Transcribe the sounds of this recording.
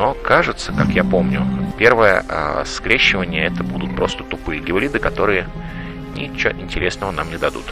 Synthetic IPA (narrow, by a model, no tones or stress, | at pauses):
no̞kaʐɨt̪səkakjapo̞mnʲʊpʲe̞rvəjə̰ə̰skɾʲeɕːɪvənʲɪjəɛt̪əbud̪ʊt̪̚pɾo̞st̪ə̥t̪ʊpɨjəɡʲɪlʲid̪ɨkɐt̪o̞ɾɨjə | nʲɪt͡ɕːo̰ʔɪnʲtʲɪɾʲe̞snəvənamnʲɪd̪ɐd̪ṵt̪